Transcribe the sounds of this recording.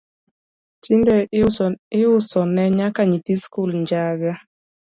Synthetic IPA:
t͡ʃindɛ | ɪʊsɔnɛɲakaɲit̪iskulɲd͡ʒaɡa

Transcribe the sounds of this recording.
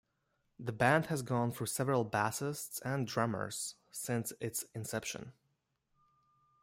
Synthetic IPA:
ðɨbæ̃nd̥̚hɨzɡɔ̃nfə˞sɛvəɹəl̩ˠbæsɪstsɨ̃ndɹʌmə̰˞z̥ | sɪ̃nsɪtsɨ̃nsɛpʃə̰̃n

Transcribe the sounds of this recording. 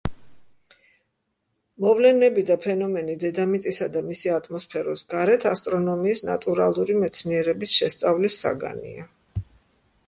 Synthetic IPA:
mɔvlɛnɛbid̪apʰɛnɔmɛnid̪ɛd̪amit̪sʼisad̪amisiat̪ʼʰmɔspʰɛɾɔsɡaɾɛt̪ʰast̪ʼɾɔnɔmiːsna̰t̪ʼuɾalˠuɾimɛt̪sʰniɛɾɛbisʃɛst̪sʼavlisa̰ɡa̰nḭa

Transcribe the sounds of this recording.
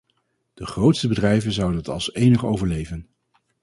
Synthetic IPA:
d̥əχrowtstəbədrɛjvənzʌwdənətɑ̰lˠsejnəχowvəɹlejvən

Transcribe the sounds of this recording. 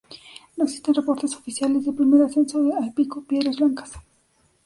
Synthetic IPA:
noksit̪enrepo̞ɾt̪eso̞fisjalezðepɾimeɾasensoɾealpikopjeðɾazblaŋkḁs

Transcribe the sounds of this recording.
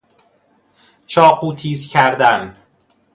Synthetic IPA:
t͡ʃʰɒːquːt̪ʰiːzcʰæɾd̪æn

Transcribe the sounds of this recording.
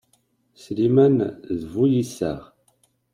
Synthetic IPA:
slimænðvujisæ̰ʁ

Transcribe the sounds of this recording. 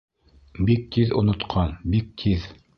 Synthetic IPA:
bik̚t̪ʰiðŏnŏt̪qʰɑnbik̚t̪ʰið

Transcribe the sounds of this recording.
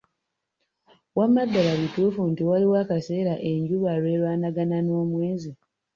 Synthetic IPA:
wamːadːalaβituːfuntiwaliwakase̞ːɾaʔeɲɟuβalwe̞ːɾwaːnaɡanano̞ːmweːzi

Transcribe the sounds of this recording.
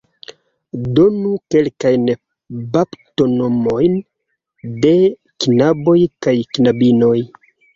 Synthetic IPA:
do̞nuke̞lkajn | bapto̞no̞mo̞jn | de̞ | kinabo̞jkajknabino̞j

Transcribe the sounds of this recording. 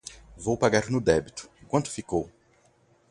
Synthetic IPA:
vowpaɡaɾnʊd̪ɛbit̪ʊ̥̃kwɐ̃nt̪ʊ̥fikow

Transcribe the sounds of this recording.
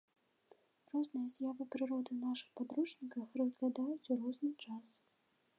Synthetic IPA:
rɔznɨjɐzʲjavɨpɾɨɾɔd̪ɨnaʂɨ̥xpad̪ɾut͡ʂnʲikɐxrɨzɣlʲad̪ajut͡sʲuɾɔznɨt͡ʂas

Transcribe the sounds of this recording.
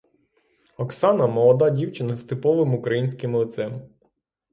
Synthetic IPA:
ɔksɑnɐmɔlˠɔd̪ɑdʲiwt͡ʃɪnɐst̪ɪpɔʋɪmukɾɐjinʲsʲkɪmlˠɪt̪sɛm

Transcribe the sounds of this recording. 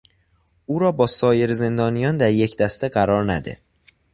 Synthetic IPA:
ʔuːɾɒːbɒːsɒːje̞ɾze̞nd̪ɒːnijɒːnd̪æɾjecʰd̪æst̪e̞ɢæɾɒːɾnæd̪ḛ

